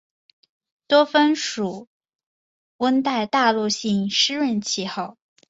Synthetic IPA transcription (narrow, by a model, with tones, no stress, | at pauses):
t̪wɔ˥fə˥nʂu˨˩˦ | wə˥nt̪a˥˧ɪt̪a˥˧lu˥˧ɕi˥˩ŋʂɻ̩˥ɻə˥˧nt͡ɕʰi˥˧xɑ˥˩ʊ